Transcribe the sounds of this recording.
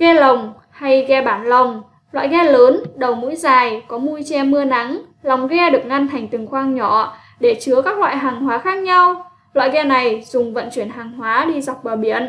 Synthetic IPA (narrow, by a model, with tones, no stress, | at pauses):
ɣɛ˧lə˨˩wŋ͡m | ha˧jɣɛ˧ɓaː˧˩nlə˨˩wŋ͡m | lwa̰ː˧˨jɣɛ˧ləː˨˦nɗə˨˩wmṵ˧˥jzaː˨˩jkɔ˨˦mu˧jt͡ɕɛ˧mɨ˧əna˨˦ŋ | la˨˩wŋ͡mɣɛ˧ɗɨ˨˩ək̚ŋa˧nt̪ʰa˨˩jŋ̟t̪ɨ˨˩ŋxwaː˧ŋɲɔ˧˩˨ | ɗe˧˩t͡ɕɨ˨˦əkaː˦˥k̚lwa̰ː˧˨jɦaː˨˩ŋhwaː˨˦xaː˦˥k̚ɲa˧w | lwa̰ː˧˨jɣɛ˧na˨˩jzʊ˨˩ŋ͡mvə̰˧˨nt͡ɕwi˧˩ənɦaː˨˩ŋhwaː˨˦ɗi˧za˨˩wk͡p̚vaː˨˩wɓi˧˩ən